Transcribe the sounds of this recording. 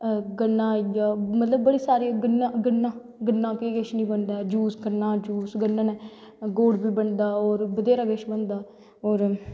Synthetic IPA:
ɡənːãːjaːmət̪ləbːəɽiːsaːɾiɡənːãːɡənːãː | ɡənːãːpeːɡəʃnĩːbənd̪aːɛd͡ʒuːsɡənːãːd͡ʒuːsɡənːãːnɛː | ɡoːɽbiːbəɳd̪aːoːɾbəd̪eːɾaːɡəʃbənd̪aː | oːɾ

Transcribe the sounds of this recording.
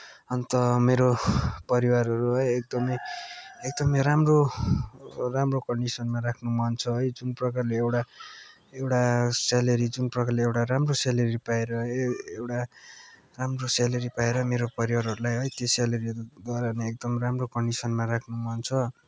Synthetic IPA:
ʌnt̪ʌmeɾopʌɾiwarɦʌɾuɦʌjek̚d̪ʌmʌjek̚d̪ʌmʌjɾamro | ramrokʌɳɖisʌnmaɾakʰnumʌnt͡sʰʌɦʌjd͡zunprʌkarleewʈa | ewʈasalʌɾid͡zunprʌkarleewʈaramrosalʌɾipaeɾʌɦewʈa | ramrosalʌɾipaeɾʌmeɾopʌɾiwaɾɦʌɾulajɦʌjt̪esalʌɾiʌɾud̪ʌɾaneekd̪ʌmramrokʌɳɖisʌnmaɾakʰnumʌnt͡sʰʌ

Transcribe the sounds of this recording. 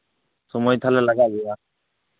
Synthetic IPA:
sɔmɔjt̪ʰalelaɡaɡɛa

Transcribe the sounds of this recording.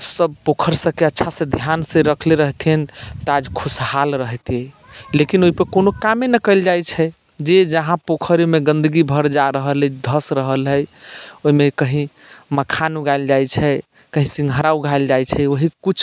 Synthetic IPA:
səb̚pokʰəɾsə̃keətːʃʰasẽd̪ʱjansẽɾəkʰleɾəɦt̪ent̪ad͡ʒkʰushalɾəɦt̪ie | lekinoɦipəkonokamenəkəɪld͡ʒajt͡ʃʰɛ | d͡ʒed͡ʒəɦãpokʰəɾemeɡə̃nd̪əɡibʱəɾd͡ʒaɾəɦəld̪ʱəsɾəɦəlɦəjoɦimekəɦĩ | məkʰanuɡaɪld͡ʒajt͡ʃʰɛ | kəɦĩsiŋɡʱəɾauɡʱaeld͡ʒajt͡ʃʰɛoɦikut͡ʃʰ

